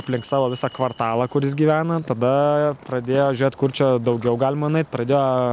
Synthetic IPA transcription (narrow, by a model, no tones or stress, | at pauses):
ɐpʲlʲɪŋkt̪sɑːʋoːʋʲɪsɑkʋɐrt̪ɑːlˠɐkʊɾjɪsɡʲiːʋʲæːnɐt̪ɐd̪ɐpɾɐd̪ʲeːjoːʒʲʊɾʲeːt̪kʊrt͡ʃʲɛd̪ɐʊɡʲɛʊɡɑːlʲɪmɐnɐɪt̪pɾɐd̪ʲeːjoː